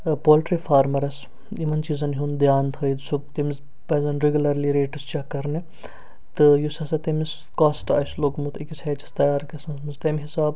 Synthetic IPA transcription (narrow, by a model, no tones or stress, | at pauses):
poːlʈɾifʰaːɾmɐɾɐs | imɐnt͡ʃiːzɐnɦund̪jaːnt̪ʰɐjd̪sub̚t̪imiz | pɐzɐnɾeɡʲulɐɾliɾeːʈɐst͡ʃakɐɾni | t̪ɨjusɐsɐt̪emis | kaːsʈa̰jsloːkmut̪ʰikisʰʲheːt͡ʃʰɐ̥st̪ɐjaːɾkʲɐsɐnsmɐzt̪ɐmɦisaːb